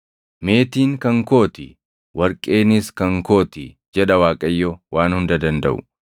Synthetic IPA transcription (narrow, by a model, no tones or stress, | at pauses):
me̞ːt̪iːŋkɐŋko̞ːt̪ɪ | wɐɾkʼːe̞ːnɪskɐŋko̞ːt̪ɪ | d͡ʒɛᶑɐwaːkʼɐjːɔwaːnhʊnd̪ɐd̪ɐnd̪ɐ̰ʔʊ̰